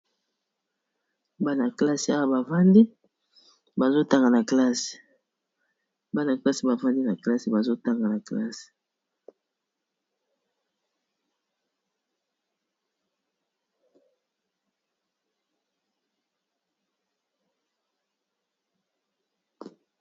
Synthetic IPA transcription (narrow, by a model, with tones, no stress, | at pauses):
ba˦na˨kla˦si˨a˦wa˦ba˨va˦ndi˦ | ba˨zo˦ta˨ŋɡa˨na˨kla˦si̥˨ | ba˦na˨kla˦si˨ba˨va˦ndi˦na˨kla˦si˨ba˨zo˦ta˦ŋɡa˨na˨kla̰˦si̥˨